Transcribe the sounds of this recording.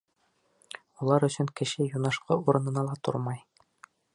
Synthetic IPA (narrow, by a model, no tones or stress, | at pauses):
ulˠɑɾɵ̆sɵŋkɘ̆ʃɘjunɑʃqɤuɾɤ̆nɤ̆nɑlˠɑt̪o̰ɾmɑj